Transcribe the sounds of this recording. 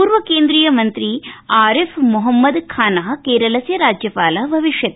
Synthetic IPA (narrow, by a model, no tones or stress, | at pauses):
puːɾʋɐkeːnd̪ɾiːjɐmɐnt̪ɾiaːɾefʰmuɦɐmːɐd̪kʰaːnɐɦɐkeːɾɐlɐsjɐɾaːd͡ʒjɐpaːlɐbʱɐʋiʂjɐt̪